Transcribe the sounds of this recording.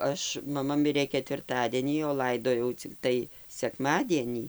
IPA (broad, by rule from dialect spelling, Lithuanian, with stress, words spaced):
ˈɐʃ mɐˈmɐ ˈmʲɪrʲeː kʲɛtʲʋʲɪrˈtɑːdʲiɛnʲiː oː ˈlˠɐɪdoːjɛʊ t͡sʲɪkˈtɐɪ sʲɛkˈmɑːdʲiɛnʲiː